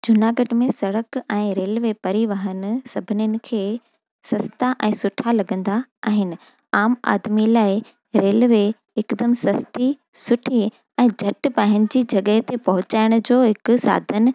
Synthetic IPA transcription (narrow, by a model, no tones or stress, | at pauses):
d͡ʑʊnaːɡəɖmẽsɐɽəkɛ̃ːɾeːlʋepɐɾiʋəɦənɪ̆sɐbʱɪnɪjənɪ̆kʰeː | sɐst̪aʔɛ̃ːsʊʈʰalɐɠə̃nd̪aaːɦɪnɪ̆ | aːma̰ːd̪milaːɪ | ɾeːlʋe | ɪkd̪əmsɐst̪i | sʊʈʰi | ɛ̃ːd͡ʑʱɐʈ̆paːɦɪñɪ̆d͡ʑiːd͡ʑɐɠəɦt̪epɐɦʊt͡ɕaːɪɽ̃ʊ̆d͡ʑoːɦɪkʊsa̰ːd̪ʱənɪ̆